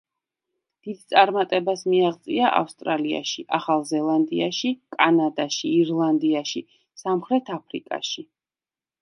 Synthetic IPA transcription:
d̪̥id̪̥̚t̪sʼaɾmat̪ʼɛbasmiaʁt̪sʼiaʔa̰fst̪ʼɾalia̰ʃiʔaχalˠzɛlˠand̪iaʃikʼanad̪aʃiːɾlˠand̪iaʃi | samχɾɛt̪ʰapʰɾḭkʼa̰ʃi

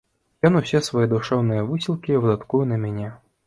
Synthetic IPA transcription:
jɔnusʲɛsvajɛd̪uʂɛwnɨjɐvɨsʲilˠkʲivɨd̪at̪kujʊnɐmʲanʲɛ

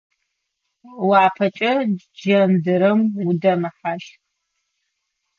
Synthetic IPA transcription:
waːpʰɐt͡ʃʼɐ | d͡ʒɐndɨɾɐmwudɐmɨħaʃ

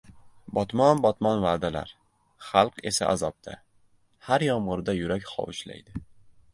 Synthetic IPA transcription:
bɒt̪mɒnbɒt̪mɒnvaːd̪ala̰ɾ | χɑlˠqe̞sa̰ʔazɒp̚t̪ʰa̰ | haɾjɒmʁɨɾd̪ajʊɾakʲχɒ̰wɪʃla̰jd̪ɪ

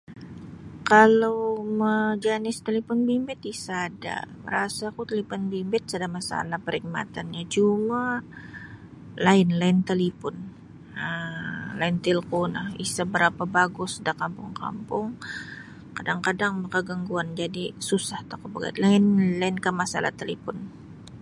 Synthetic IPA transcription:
kalawməd͡ʒanɪst̪əlifɔnbimbɛt̪isada̰mə̰ɾasakut̪əlipɔnbimbɛt̪̚sadamasa̰lahpəɾik̚ma̰t̪anɲat͡ʃuma | laɪnlaɪnt̪alipɔn | əlaɪnt̪ilkunahḭsabəɾapabaɡʊsdakampʊŋka̰mpʊŋ | kadaŋkadaŋmakaɡaŋɡuand͡ʒadisusaht̪akubaɡa̰t̪laɪnlaɪnkamasa̰la̰ht̪əlipɔn

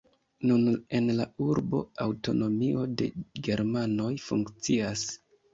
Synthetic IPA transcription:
nune̞nlauɾbo̞̰awto̞̰no̞mio̞de̞̰ɡe̞ɾmano̞jfuŋkt͡sias

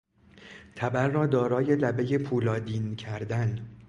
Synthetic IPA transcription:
t̪ʰæbæɾːɒːd̪ɒːɾɒːje̞læbe̞je̞pʰuːlɒːd̪iːncʰæɾd̪æn

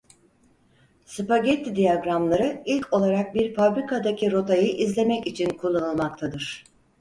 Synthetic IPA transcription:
sɯpaɟɛt̪ʰːd̪ijaɡɾamlˠaɾɯilʲcʰo̞lˠaɾak̚biɾfabɾikʰad̪acʰiɾo̞t̪ʰajɯʔizlʲe̞mɛcit͡ʃʰinkʰulˠːanɯlˠmak̚t̪ʰad̪ɯɾ̥

